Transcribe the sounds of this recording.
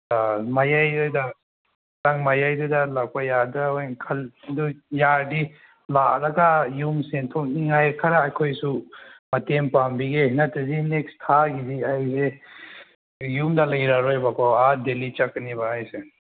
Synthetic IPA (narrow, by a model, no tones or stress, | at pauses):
amajajdɯda | taŋmajajdɯdalak̚pajaɾdaɔjnkʰɐldujaɾdi | laɾɐɡajumsentʰɔk̚niŋajkʰaɾaːjkʰojsumɐtempambiɡehinatazinekstʰaɡidiajse | jumdalajɾaɾɔjbakɔwadelit͡ʃakːnibaajse